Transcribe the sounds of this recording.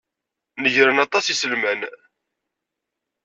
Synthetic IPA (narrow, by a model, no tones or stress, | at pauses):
nəʝɾənɑt̪ˤɑsisəlmæn